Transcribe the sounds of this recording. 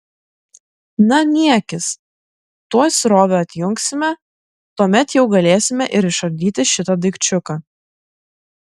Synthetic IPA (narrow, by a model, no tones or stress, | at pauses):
nɐnʲiɛkʲɪs | t̪uɔsʲɾoːʋʲoɐt̪ʲjʊŋksʲɪmʲɛ | t̪uɔmʲɛt̪jɛʊɡɐlʲeːsʲɪmʲɛʔɪɾɪʃɐb̚ʲd̪ʲiːt̪ʲɪʃʲɪt̪ɐd̪ɐɪkt͡ʃʲʊkɑː